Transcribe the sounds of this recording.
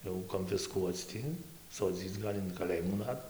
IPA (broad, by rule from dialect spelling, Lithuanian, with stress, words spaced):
jɛʊ koːnʲfʲɪsˈkuɔt͡s tʲɪ soːˈd͡zʲiːt͡s ˈɡɐlʲ ɪn kɐˈlʲeːjɪmuː ˈnɐt